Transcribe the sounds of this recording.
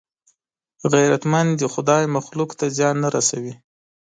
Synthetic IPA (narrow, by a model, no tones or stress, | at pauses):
ɣajɾat̪mand̪ixʊd̪ɑjmaxlukt̪azjɑnːaɾasawi